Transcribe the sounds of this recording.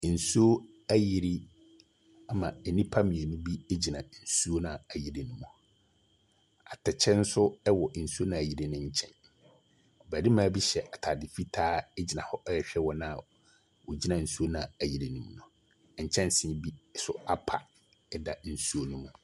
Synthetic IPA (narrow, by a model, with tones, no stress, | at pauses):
n̩˨su˦o˦ | æ˦ji˨ɾi˦ | a˦mã˨ɛ˨nĩ˦pʰa˦mĩ˨ɛ˨nũ˦bi˦e˦d͡ʑi˨nã˨n̩˨su˦o˦nã˨æ˨ji˨ɾi˨nũ˦mũ˨ | a˨tʰɛ˨t͡ɕʰɛ̃˦n̩˦sʊ˦ɛ˦wɔ˨n̩˨su˦o˦nã˨ji˨ɾi˨nʊ̃˦ɲ̩˦t͡ɕʰɛ̃˦˨n˨ | bæ˨di˦mãː˨˦bi˦ɕɛ˨ʔa˨tʰa˨dɪ˨fi˦tʰaː˦ɛ˦d͡ʑi˨nã˨hɔ˦ʔɛ˦jɛ˨ɕᶣɛ˦wɔ˦nã˦˨ | wɔ˨d͡ʑi˦nã˨n̩˨su˦o˦nã˨æ˨ji˨ɾi˨nũ˦˨mũ˨nʊ̃˨ | ɲ̩˨t͡ɕʰɛ̃˦nsɪ̃˨˦bi˦sʊ˦a˦pʰa̰˨ | ɛ˦da˨n̩˨su˦o˦nũ˦mũ˨